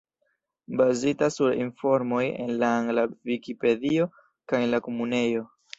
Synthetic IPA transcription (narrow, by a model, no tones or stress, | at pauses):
bazitasuɾḭnfo̞ɾmo̞je̞̰nlaːŋɡlavikipe̞dio̞ | kajenlako̞mune̞jo̞